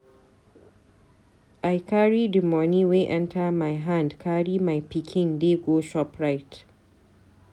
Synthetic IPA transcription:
ʔajkʰaɹidimɔniweʔɛntʰamajɦandkʰaɽimajpikʲʰɪndeːɡoʃɔpɹajt

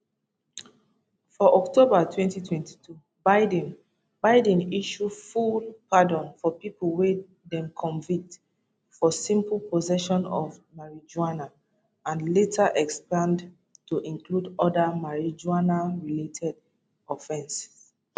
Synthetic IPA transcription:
fɔʔɔktobatʰwɛ̃ntitʰwɛ̃nti̥tʰu | baɪdɛ̃n | baɪdɛ̃niʃufulpadɔ̃nfɔpipulˠwe | dɛ̃mkʰɔ̃nvik̚t | fɔsĩmpl̩pɔzɛʃɔ̃nɔ̰vmaɹid͡ʒuana | ãnletʰaʔɛkspãnd | tuʔĩnkludɔdamaɹid͡ʒuanaɹiletʰɛd | ɔfɛ̃ns

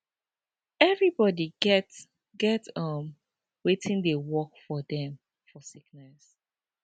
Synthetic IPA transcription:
ɛvɹibɔdiɡɛt | ɡɛtʌm | wetʰĩndewɔkfɔdɛ̃m | fɔsiknɛs

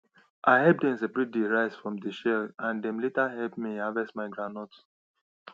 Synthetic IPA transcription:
ʔaɪɦɛp̚dɛ̃nsebɹidiɹaɪsfɹɔ̃mdəʃɛlãndɛ̃mletaɦɛlp̚miavɛstmaɪɡɹãnɔt

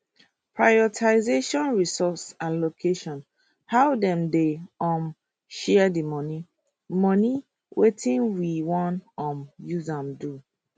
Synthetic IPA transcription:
pɹajɔtʰaɪzeʃɔ̃nɹisɔsalokʰeʃɔ̃n | hawdɛ̃mdeɔ̃m | ʃɛdimɔni | mɔni | wetʰĩnwiwɔ̃nɔ̃mjuzãmdu

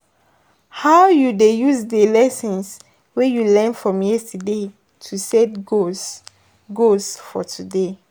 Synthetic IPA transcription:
hawjudejusdəlɛsɔ̃ns | wɛjulɛ̃nfɹɔ̃mjɛstəde | tʰusɛtɡo | ɡosfɔtʰude

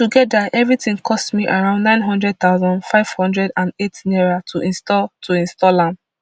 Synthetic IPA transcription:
tuɡɛdaʔɛvɹitĩŋkʰɔstmiʔaɹãʊ̃ndnãɪ̃nɦɔ̃ndɹɛd̚t̪aʊzɔ̃ndfaɪv̥hɔ̃ndɹɛdãnetnɛɹatʰuʔĩnstɔtʰuĩnstɔlãnd

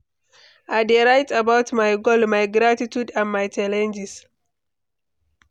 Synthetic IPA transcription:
ʔaɪdeɹajtabawtmajɡolmajɡɾatitjudãnmajt͡ʃalɛ̃nd͡ʒis

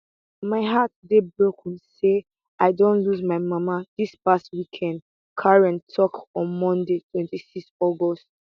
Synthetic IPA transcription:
maɪɦat̚debɹokʰũnse | aɪdõntluzmaɪmamadispastwikʰɛ̃nd | kʰaɹɛ̃ntʰɔkɔ̃nmɔ̃ndetʰwɛ̃ntisikstɔɡɔst

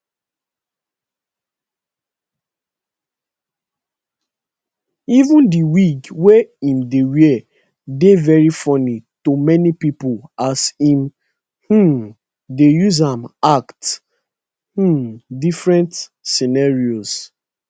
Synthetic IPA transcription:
ivũndiwikweĩmdewiɛ | devɛɹifɔnitomɛnipipɔlasĩm | h̩ | dejuzãmakt | h̩difɹɛ̃ntsinaɹios

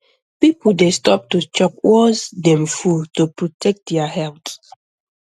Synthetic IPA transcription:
pipudestɔp̚tut͡ʃɔkwɔsdɛ̃mfultupɹotʰɛk̚t̚dɛahɛlt

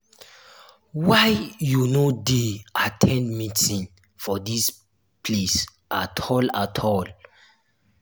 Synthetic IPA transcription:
wajjunodeatʰɛ̃ndmĩtĩn | fɔdis | pʰles | ʔatʰɔlatʰɔl

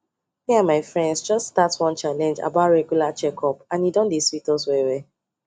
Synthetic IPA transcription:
miamaɪfɹɛ̃ndsd͡ʒɔststatswɔ̃nt͡ʃalɛ̃nd͡ʒa̰baʊtɹɛɡjulat͡ʃɛkʰɔpãnidɔ̃ndiswitɔswɛwɛ

